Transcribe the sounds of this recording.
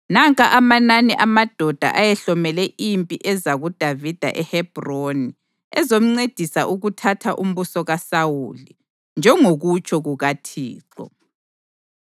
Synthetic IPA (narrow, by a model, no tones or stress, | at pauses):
naŋkʼaʔamananɛʔamad̥ʱɔd̥ʱa̰ʔajɛɬɔmɛlɛʔimpʼiʔɛzaɣud̥ʱavid̥ʱa̰ʔɛhɛb̥ʱroni | ɛzom̩ŋ͡ǀed̥ʱisaʔuɣutʰatʰaʔum̩βusɔɣasawuli | nd͡ʒʱɛŋoɣut͡ʃʰʼɔɣuɣatʰḭːǀɔ̰